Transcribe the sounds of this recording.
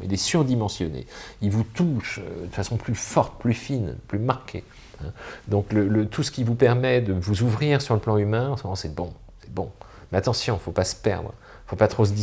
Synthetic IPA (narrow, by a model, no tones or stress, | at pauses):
ḭlɛsyʁd̪imɑ̃sjɔnḛilvut̪uʃø̰d̪əfasɔ̃plyfɔʁt̪̚plyfinplymaʁkʲʰḛ | ɛ̃d̪ɔ̃klələt̪ʰusə̥kʲivupɛʁmɛd̪əvuzuvʁiʁsyʁləplɑ̃ymɛ̃ɑ̃səmɔmɑ̃sɛbɔ̃ | sɛ̥bɔ̃ | mɛat̪ɑ̃sjɔ̃ifopasə̥pɛ̰ʁd̪ʁ | fopat̪χos̬əd̪i